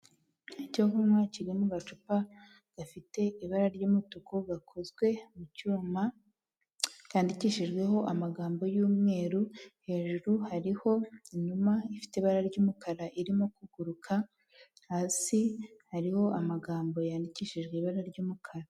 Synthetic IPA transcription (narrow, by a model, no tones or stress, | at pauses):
icoɡumaciɾimuɡat͡ʃupa | ɡ̥afite̞iβaɾaɾɟuːmutukoɡakʰozɡwe̞mucuːma | kaːndiciːʃiʒɡwe̞ɦo̞ʔamaɡaːmbo̞juːmŋe̞ːɾuhe̞ːʒuɾuhaɾiho̞ɲumaifi̥teβaɾaɾɟuːmukʰaɾaʔiɾimokuɡ̥uɾukʰa | haːsihaɾiho̞ʔamaɡaːmbo̞jaːndiciːʃiʒɡeiβaɾaɾɟuːmukʰaɾa